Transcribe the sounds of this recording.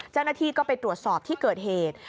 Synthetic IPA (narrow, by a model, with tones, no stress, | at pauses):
t͡ɕa˥˩wnaː˥˩t̪ʰiː˥˩kɔː˥˩pa˧jt̪ɾu˨˩ət̪̚sɔː˨˩p̚t̪ʰiː˥˩kɤː˨˩t̪̚heː˨˩t̪̚